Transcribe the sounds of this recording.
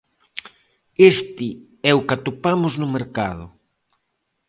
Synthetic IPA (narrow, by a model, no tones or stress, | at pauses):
est̪ɪ | ɛʊkat̪opamʊznʊmeɾkaðʊ̰